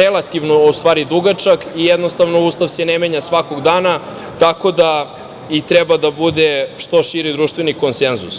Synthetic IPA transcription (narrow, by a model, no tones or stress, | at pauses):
elˠat̪iʋnoost̪ʋaːɾid̪uɡat͡ʃakijed̪nost̪aʋnouːst̪aʋsenemeɲasʋako̞ɡd̪aːna | t̪ako̞d̪a | it̪ɾebad̪abud̪eʃt̪o̞ʃiɾid̪ɾuːʃt̪vʋeniko̞nsenzus